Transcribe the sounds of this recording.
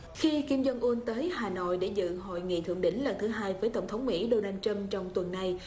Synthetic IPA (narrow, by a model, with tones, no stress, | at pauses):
xi˧ki˧mzə˧nʔu˧ənt̪əː˨˦jɦaː˨˩no̰˧˨jɗe˧˩zɨ̰˧˨ɦo̰˧˨jŋḭ˧˨t̪ʰɨ̰˧˨əŋɗï˧˥ŋ̟lə˨˩nt̪ʰɨ˨˦ɦaː˧jvəː˨˦jt̪ə˧˩wŋ͡mt̪ʰə˨˦wŋ͡mmḭ˧˥ɗo˧naː˧nt͡ɕə˧mt͡ɕɔ˧wŋ͡mt̪wə˨˩nːa˧j